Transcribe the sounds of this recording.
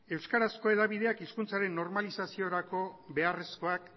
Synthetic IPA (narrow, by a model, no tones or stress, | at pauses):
e̞wskaɾasko̞e̞ðaβið̞e̞akiskunt͡saɾe̞nːo̞ɾmalisasio̞ɾako̞βe̞are̞sko̞ak